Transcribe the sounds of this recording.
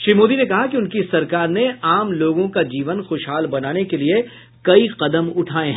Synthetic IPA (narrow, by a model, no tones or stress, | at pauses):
ʃɾiːmoːd̪inekɐɦakiʊnkisɐɾkaːɾneaːmloːɡõkad͡ʒiːʋənxoːʃɦaːlbɐnaːnekelie | kɐiqɐd̪əmʊʈʰaːẽɦɛ̃ː